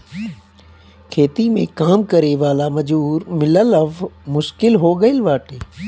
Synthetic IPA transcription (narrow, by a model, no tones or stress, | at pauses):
kʰeːt̪imẽkaːmkəɾeʋaːlamɐd͡ʒuːɾmɪləlɐʋmʊʃkɪlɦoːɡəɪlʋaːʈeː